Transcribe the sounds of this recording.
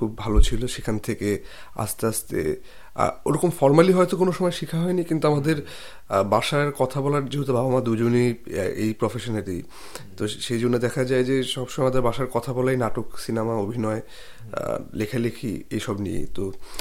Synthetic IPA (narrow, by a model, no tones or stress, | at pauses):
kʰubːbʱalot͡ɕʰiloʃekʰant̪ʰeke | a̰st̪east̪ḛ | a̰oɾɔkomfɔɾmaliɦɔet̪okonoʃɔmɔeʃikʰaɦɔenikint̪uamad̪eɾ | baʃaɾkɔt̪ʰabɔlaɾd͡ʑoɦut̪abʱabʱamad̪ud͡ʑoniḛjpɾofeʃonaʈḭ | t̪oʃejd͡ʑonːod̪ɛkʰad͡ʑaed͡ʑeʃɔbʃõmaamad̪eɾbaʃaɾkɔt̪ʰabɔlajnaʈoksinamaobʱinɔḛ | lekʰalekʰḭḛjʃɔbnḭjḛt̪o